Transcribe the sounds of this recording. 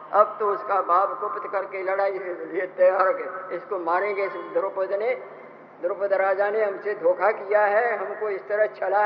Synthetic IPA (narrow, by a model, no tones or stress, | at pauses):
ɐbt̪oʊskabʱaːbkʊpt̪kɐɾkelɐɽaːiet̪eɦaɾkeɪskomaːñẽɡesd̪ɾʊpəd̪ne | d̪ɾʊpəd̪ɾaːd͡ʒaneɦɐmsed̪ʱoːkʰakijaɦɛɦɐmkoɪst̪əɾəɦt͡ʃʰɐla